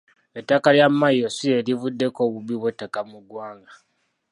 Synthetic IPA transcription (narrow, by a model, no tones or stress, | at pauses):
etːakaljamːajosie̞livudːe̞ko̞ːβuβiβwetːakamuɡwaːŋɡa